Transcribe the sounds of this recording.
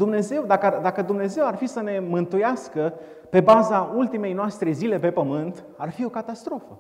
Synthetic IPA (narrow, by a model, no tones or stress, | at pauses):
d̪umne̞ze̞wd̪akd̪akəd̪umne̞ze̞warfisəne̞mɨnt̪ujaskə | pe̞bazault̪ime̞jnoast̪ɾe̞zile̞pe̞pəmɨnt̪ | arfio̞kat̪ast̪ɾo̞fə